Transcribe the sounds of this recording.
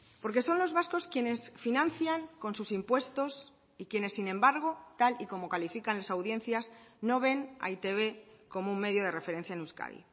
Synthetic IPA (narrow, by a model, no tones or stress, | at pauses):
po̞ɾk̬e̞so̞nlo̞zβasko̞skje̞ne̞sfinãnθjaŋko̞nsusimpwe̞st̪o̞s | ikje̞ne̞sːinẽ̞mbaɾɣ̞o̞t̪aliko̞mo̞kalifikanlasawðje̞nθjasno̞β̞e̞na̰it̪e̞βe̞ko̞mouŋme̞ðjo̞ð̞e̞re̞fe̞ɾe̞n̟θjaenuska̰ðḭ